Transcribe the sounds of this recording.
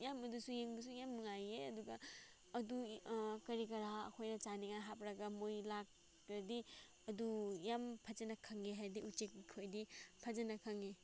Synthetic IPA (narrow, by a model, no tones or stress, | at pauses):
jamɐdusujeŋdusujamnuŋajeɐduɡaː | dukɐɾikɐɾaɐ̰kʰojnɐt͡ʃaniŋaɦapɾaɡamojlak̚ | ɾɐdi | ɐdujampʰazenɐkʰaŋeɦadiutt͡ʃek̚ikʰojdipʰazenɐkʰaŋe